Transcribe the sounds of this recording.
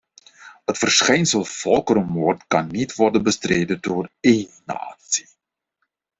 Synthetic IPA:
ətfərsχɛjnsəlˠfɔlˠkəɾəmoːrtkɑnːitʋɔrdənbəstreːdədoːreːna̰ːsi̥

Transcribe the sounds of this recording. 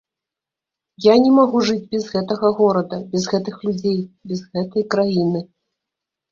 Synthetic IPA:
janʲɛmaɣuʐɨd͡zʲbʲɛzɣɛt̪ɐɣɐɣɔɾɐd̪ɐbʲɛzɣɛt̪ɨxlʲud͡zʲejbʲɛzɣɛt̪ɐjkɾajinɨ

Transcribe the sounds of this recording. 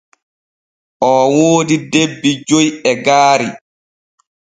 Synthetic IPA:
ʔɔwoːdidebːid͡ʒojɛɡaːɾi

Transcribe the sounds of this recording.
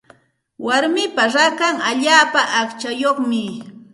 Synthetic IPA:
waɾmɪpaɾakaŋaʎaːpaʔːkt͡ʃajoχmɪ

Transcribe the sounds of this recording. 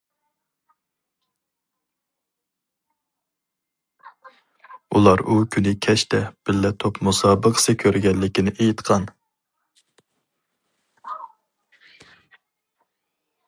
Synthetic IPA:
ulˠɑɾukʲʰynɪkʲʰɛʃt̪ʰɛb̥ɪlːɛt̪ʰopmusɑːbəqʰə̥sɨkʲʰøɾɡʲɛnlːɪkʲinɪʔejit̪qʰɑn

